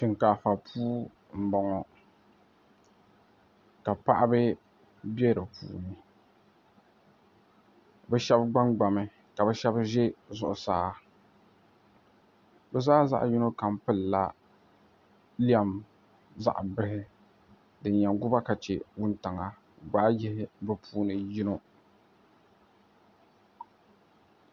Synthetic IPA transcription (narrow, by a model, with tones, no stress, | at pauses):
ʃɪ˨ŋkaː˨fa˨pʰuː˦ | m̩˦˨bɔ˨ŋɔ˨ | ka˨pa˦ʔa˦bɨ˦ | bɛ˦ɾɨ˨pʰṵː˦nɨ˨ | bɛ˦ʃɛ˦bɡ͡ba˦ŋɡ͡ba˨mɨ˦ | ka˨bɛ˦ʃɛ˦bʒe˦zʊ˨ʔʊ˨saː˨˦ | bɛ˨zaː˦za̰˦ʔji˦no˦ka˨mpɨ˦lːa˦ | li˦a˨m | za̰˨ʔbɪ˦ɦɪ˦ | dɨ˨nɲɛ˨ɡʊ˦ba˦ka˨t͡ʃe˨wʊ˦n˦ta˨ŋa˨ | ɡ͡ba˦jɪ˦hɪ˦bɛ˦pʰuː˦nɨ˨ji˦no˦